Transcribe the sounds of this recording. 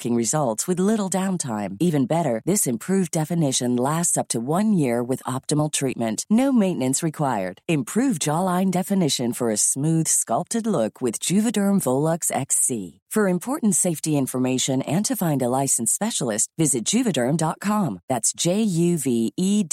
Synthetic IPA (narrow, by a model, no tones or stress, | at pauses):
kɪ̃ŋɹɨzʌlˠtswɨðlɪɾl̩ˠdãʊ̃ntʰãɪ̃mivɨ̃nbɛɾə˞ðɪsɨ̃mpʰɹ̥ʉvdɛfɨnɪʃɨ̃nlæstsʌp̚tʰɨwʌ̃njɪɹwɨðɑp̚tɨml̩ˠtʰɹ̥it̚mɨ̃nʔnoʊmẽɪ̃nɨ̃nsɹɨkʰw̥aɪə̰˞d̥ɨ̃mpʰɹ̥ʉvd͡ʒɑlˠãɪ̃ndɛfɨnɪʃɨ̃nfə˞ɨsmʉð̥skʌlˠp̚tɨdˡlʊkʰwɨðd͡ʒʉvɨdɜ̃˞ɱvoʊlˠəksɛ̰ksḭfə˞ɨ̃mpʰɔɹʔn̩tseɪftiɪ̃ɱfə˞meɪʃɨ̃nɨ̃ntʰɨfãɪ̃ndəlaɪsn̩spɛʃl̩ˠɨst̚vɪzɨt̚d̥ʒ̥ʉvɨdɜ̃˞mdɑt̚kʰɑ̃mðætsd̥ʒ̥eɪjʉvii